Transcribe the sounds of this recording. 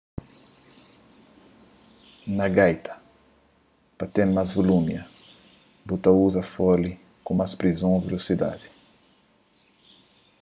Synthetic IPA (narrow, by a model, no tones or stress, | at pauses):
nɐɡajt̪ʰɐ̥ | pɐt̪ẽnmazvolumjɐ | but̪ɐuzɐfɔli | kũmaspɾizõovelosid̪a̰d̪i̥